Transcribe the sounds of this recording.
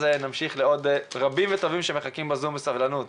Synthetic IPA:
zenamʃiχleod̪ʁabimvet̪o̞vimʃemeχakimbazumbesavlanut̪

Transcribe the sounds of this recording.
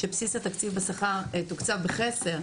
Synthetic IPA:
ʃepsisat̪akt͡sivbasaχaʁet̪ukt͡sabeχe̞se̞ʁ

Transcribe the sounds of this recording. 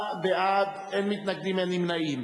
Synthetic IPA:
beʔad̪ | enmit̪naɡ̚d̪imenimnaʔim

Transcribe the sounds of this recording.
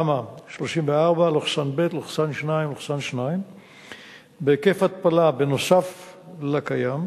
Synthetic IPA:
amaʃlo̞ʃimveaʁbaloχsanbet̪loχsanʃnaimloχsanʃnaim | bekefat̪̚palabeno̞saflakajam

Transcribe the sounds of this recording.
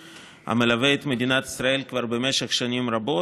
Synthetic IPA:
a̰melaveːt̪med̪inat̪i̥sɾae̞lkvaɾbemeʃeχʃanimrabo̞

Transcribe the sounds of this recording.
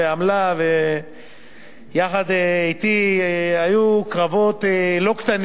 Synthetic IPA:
eamlave | jaχad̪eit̪iajukʁavo̞t̪elo̞kt̪an

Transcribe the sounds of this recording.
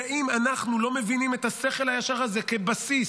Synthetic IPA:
ʔimanaχnulo̞me̞vinime̞t̪hase̞χe̞lhajaʃaʁaze̞ke̞basis

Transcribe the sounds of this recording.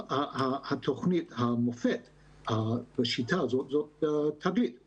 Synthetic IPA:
ahahat̪ʰoχnit̪hamofet̪ | abeʃitʰazozot̚tʰːaɡlit̪

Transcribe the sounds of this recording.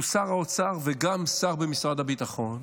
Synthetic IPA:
usaʁaot͡saʁveɡamsaʁbemisʁad̪abit̪aχo̞n

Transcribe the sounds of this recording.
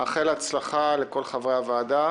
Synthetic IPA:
aχelat͡slaχaleko̞lχavʁeavaːda

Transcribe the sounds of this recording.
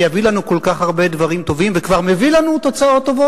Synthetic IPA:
javilanuko̞lkaχhaʁbe̞d̪vaʁimt̪o̞vimvekvaʁmevilanut̪o̞t͡sao̞t̪ːovo

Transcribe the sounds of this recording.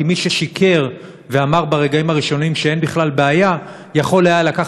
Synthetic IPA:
imiʃeʃikʰe̞ʁ | veamaʁbaʁe̞ɡaimaʁiʃo̞nimʃee̞nbiχlalbeaja | jaχo̞lajalakaχ

